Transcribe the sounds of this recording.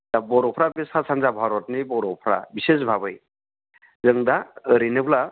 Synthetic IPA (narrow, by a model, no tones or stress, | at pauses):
abɔɾɔpʰɾabesʰasʰanzabʱaɾɔtnibɔɾɔpʰɾa̰bises̬bʱabɯj | zɯŋd̪aəɾinɯpʰla